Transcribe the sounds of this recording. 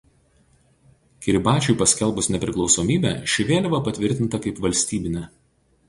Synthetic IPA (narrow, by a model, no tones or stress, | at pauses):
kʲɪɾʲbɑːt͡ʃʲʊɪpɐsʲkʲɛlˠˑbʊsnʲɛpʲɾʲɪklˠɒʊsoːmʲiːbʲæ̰ːʃʲɪʋʲeːlʲɪʋɐpɐt̪ʲʋʲɪɾʲt̪ʲɪnt̪ɐkɐɪpʋɐlʲsʲt̪ʲiːbʲɪnʲɛ